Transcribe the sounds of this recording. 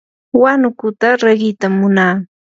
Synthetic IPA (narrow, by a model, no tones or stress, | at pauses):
wanʊkʊt̪aɾaɢɪt̪amːʊnaː